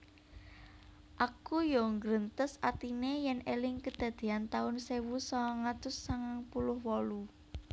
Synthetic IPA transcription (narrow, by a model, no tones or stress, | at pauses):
ʔakujɔŋɡɾənt̪əsat̪inejɛnʔelɪŋkəd̪̥ä̤d̪̥e̤ant̪aʊnsewusɔŋat̪ʊsːaŋaŋpulʊhwɔlu